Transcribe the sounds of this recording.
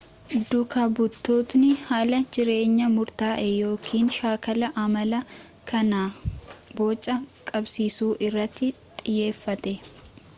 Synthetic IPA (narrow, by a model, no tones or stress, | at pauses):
d̪ʊkaːbʊt̪ːoːt̪nɪhaːlɐd͡ʒɪɾe̞ːɲːɐmʊɾt̪aːʔejo̞ːkʰiːnʃaːkɐlɐʔɐmɐlɐ | kʰɐnaːbo̞ːt͡ʃʼːɐkʼɐbsiːsuːʔɪrːɐt̪ʰːɪt̪ʼɪjːe̞ːfːɐt̪ɛ